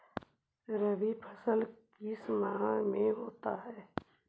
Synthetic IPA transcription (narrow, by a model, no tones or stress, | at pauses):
ɾəʋipʰəsəlkkismaːmẽɦoːt̪a̰ɦɛː